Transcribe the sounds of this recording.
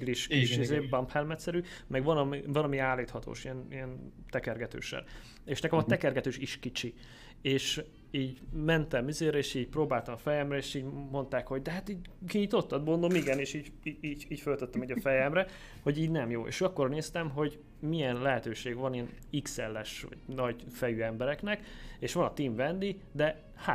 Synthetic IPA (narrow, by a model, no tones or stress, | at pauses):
ɡliʃkiʃizeːbɒmphɛlmɛt̪sɛɾymɛɡʋɒnɒmivɒlɒmiaːlːiːt̪hɒt̪o̰ːʃiɛnijɛnt̪ɛkɛrɡɛt̪ø̰ːʃɛ̰n | eːʃnɛkɛmɒt̪ɛkɛrɡɛt̪øːʃiʃkit͡ʃi | eːʃ | iːɟmɛnt̪ɛmizeːɾɛeːʃiːɟproːbaːlt̪ɒmfɛjɛmrɛeːʃiːɟmo̞nt̪aːkho̞ɟ̚d̪ɛɦat̪iːɟkiɲit̪o̞t̪ːɒd̪̚bond̪omiɡɛneːʃiːɟ | iiːiːcfølt̪øt̪ːɛmiːɟɒfɛjɛmrɛ | ho̞ɟiːɟnɛmjoːʔḛːʃøɒkːorneːst̪ɛmɦo̞ɟ | miɛnlɛɦɛt̪øːʃeːɡvɒniɛn | iksɛlːɛʃʋɒ̰ɟ̥nɒɟfɛjyːɛmbɛɾɛknɛkeːʃʋɒnɒt̪iːmvɛnd̪i | d̪ɛ | ha